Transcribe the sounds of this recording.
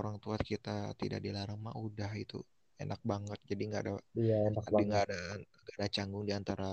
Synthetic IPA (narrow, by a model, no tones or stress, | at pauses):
oɾaŋt̪uat̪̚kit̪at̪ida̰ʔdilaɾaŋma̰ʔudaɦit̪ṵ | ḛnak̚baŋət̪̚d͡ʒadiŋɡaːdaaenaaiŋɡadaŋɡadat͡ʃaŋɡʊŋdiant̪aɾa